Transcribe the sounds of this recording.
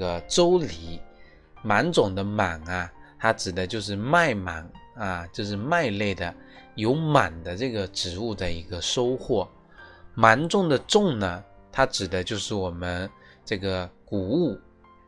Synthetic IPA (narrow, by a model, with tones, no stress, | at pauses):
ɡə˩ʈ͡ʂo˥ʊli˧˥ | ma˧˥nʈ͡ʂʊ˨˩ŋd̪ə˦ma˨˩nɐ˦t̪ʰa˥ʈ͡ʂɻ̩˨˩d̪ə˦t͡ɕjo˥˧ʊʂ̬ɻ̩˥˧ma˥˩ɪma̰˨˩nɐ˧t͡ɕjo˥˧ʊʂɻ̩˥˧ma˥˧ɪle˥˩ɪd̪ə˩jo˧˥ʊma˨˩nd̪ə˦ʈ͡ʂɤ˥˩ɡə˩ʈ͡ʂɻ̩˨˩u˥˩d̪ə˧˩i˧˥ɡə˧ʂo˥ʊxwɔ˥˩ | ma˧˥nʈ͡ʂʊ˥˩ŋd̪ə˩ʈ͡ʂʊ˥˩ŋnə˩t̪ʰa˥ʈ͡ʂɻ̩˨˩d̪ə˦t͡ɕjo˥˧ʊʂɻ̩˥˩wɔ˨˩mə˦n | ʈ͡ʂɤ˥˩ɡə˩ku˨˩u˥˩